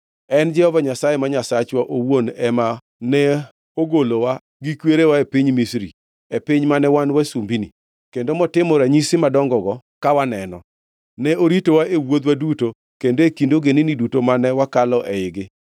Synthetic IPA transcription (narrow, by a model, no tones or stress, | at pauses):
ɛnd͡ʒɛhɔvaɲasajemaɲasat͡ʃwaʔowonɛma | nɛ | oɡolowa | ɡikweɾewaepiɲmisɾi | epɪɲmanɛwanwasumbini | kendomɔtɪmɔɾaɲisɪmadɔŋɡɔɡɔ | kawanɛnɔ̰ | nɛoɾitowaʔewod̪waduto | kendoekindoɡeninidutomanɛwakalɔʔɛɪɡɪ